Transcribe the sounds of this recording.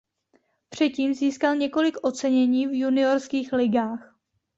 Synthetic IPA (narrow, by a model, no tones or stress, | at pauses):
pr̝̥ɛciːmziːskalɲɛko̞lɪkʔo̞t͡sɛɲɛɲiːvjunɪo̞ɾskiːxlɪɡaːx